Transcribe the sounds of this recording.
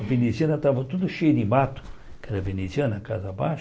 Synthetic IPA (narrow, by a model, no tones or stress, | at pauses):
venisʲianat̪avot̪ut̪uʃed̪ibat̪u̥kəd̪əvenisʲianakazabaʃ